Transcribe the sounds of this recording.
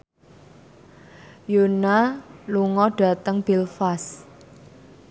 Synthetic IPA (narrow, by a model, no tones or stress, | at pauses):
jonaluŋɔɖ̥a̤t̪əŋb̥ilfas